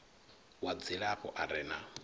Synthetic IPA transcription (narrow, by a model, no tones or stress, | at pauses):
wad͡ziɺapɔ̰ʔaɾɛna̰